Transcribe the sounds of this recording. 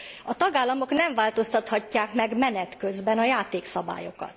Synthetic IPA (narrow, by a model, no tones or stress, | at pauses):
ɒt̪ɒɡaːlːɒmo̞knɛɱvaːlt̪o̞st̪ɒt̪hɒcːaːkmɛɡmɛnɛt̪kø̞zbɛnɒjaːt̪eːksɒba̰ːjo̞̰kɒ̰t̪